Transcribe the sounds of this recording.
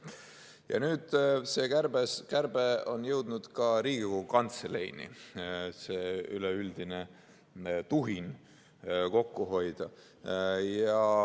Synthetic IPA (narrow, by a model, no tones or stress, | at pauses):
jɑ̰nyːd̪̥se̞ːkærb̥eskærb̥eonjɤwd̪̥nud̪̥kɑɾiːɡ̥ikoukɑnt̪sele̞̰jnḭseːyleyld̪̥ine̞ | t̪uɦin | ko̞kːuɦo̞jd̪̥ɑ | jɑ